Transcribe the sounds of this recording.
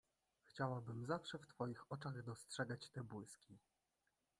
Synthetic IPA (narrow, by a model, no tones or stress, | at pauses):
xt͡ɕawabɘmzafʂɛft̪fɔjixɔt͡ʂaɣd̪ɔstʂɛɡat͡ɕt̪ɛbwɘskʲi